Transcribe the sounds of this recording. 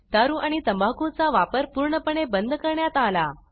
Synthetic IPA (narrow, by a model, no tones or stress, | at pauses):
t̪aɾũʔaɽ̃it̪əmbʱakũt͡saʋapəɾpuɾɳəpəɳebənd̪ʱkəɾɳjat̪ala